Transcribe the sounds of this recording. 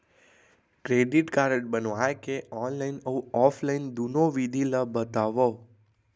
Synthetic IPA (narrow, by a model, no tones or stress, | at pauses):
kɾeɖiʈkaɾəʈbənʋajkeɔnlainəũɔfʰlaind̪unoʋid̪ʱiləbət̪aʋo